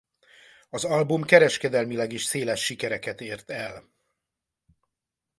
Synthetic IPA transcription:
ɒzɒlbumkɛɾɛʃkɛd̪ɛlmilɛɡiːʃseːlɛʃːikɛɾɛkɛt̪eːrt̪ɛl

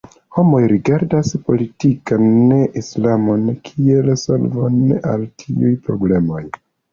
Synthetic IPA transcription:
ho̞mo̞jɾiɡaɾdaspo̞litikanːeʔislamo̞nkʰielso̞̰lvona̰ltʰiujpɾo̞̰ble̞mo̞j

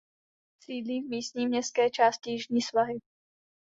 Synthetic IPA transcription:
siːdliːvmiːst̪ɲiːmɲɛskɛːt͡ʃaːscɪjɪʒɲiːsvaɦɪ

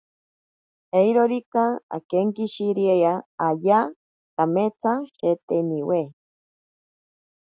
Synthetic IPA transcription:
ejɾoɾikaa̰keŋkiʃiɾiejaaja | kamet͡saʃet̪eniwe

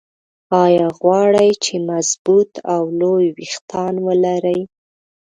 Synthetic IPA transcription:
ɑjɑɣwɑɽəjt͡ʃemazbut̪ʰawlojwixt̪ʰɑnwəlaɾəj

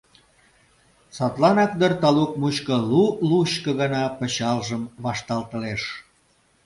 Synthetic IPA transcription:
sot̪lɑnɑkd̪ərt̪ɑluk̚muɕkə̆luluɕkə̆ɣɑnɑpə̆t͡ɕɑlʒəmβɑʃt̪ɑlt̪ə̆leʃ

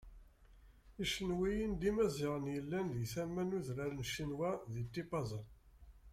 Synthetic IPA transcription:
iʃənwijind̪imæzɪʁənjəlːænd̪jθæmːænuðɾaɾnʃinwæðit̪ːipɑzˤən

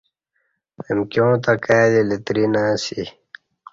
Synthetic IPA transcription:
emkjõːt̪akad̪ilit̪ɾinaːsi

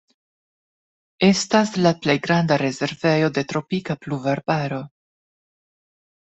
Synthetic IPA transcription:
e̞staslaple̞jɡɾandaɾe̞ze̞ɾve̞jo̞de̞tɾo̞pikapluvaɾbaɾo̞

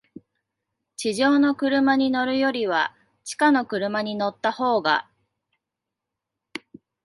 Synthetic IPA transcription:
t͡ɕiʑo̞ːno̞kɯ̟ɾɯ̟maɲ̟ino̞ɾɯ̟jo̞ɾʲiβ̞a̰ | t͡ɕi̥kano̞kɯ̟ɾɯ̟maɲ̟ino̞t̪ːaho̞ːɡa̰

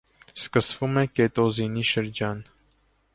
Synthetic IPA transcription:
skəsvumɛkeːt̪oziniʃəɾd͡ʒɑːn

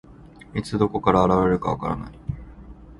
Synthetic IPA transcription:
it͡sɨd̪o̞ko̞kaɾaːɾaβaɾeɾɯ̟kaβaka̰ɾa̰na̰i

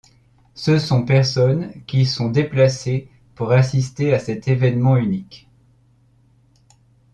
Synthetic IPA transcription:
səsɔ̃pɛʁsɔnkʲisɔ̃d̪eplase | puʁasist̪easɛt̪evɛnmɑ̃ynik

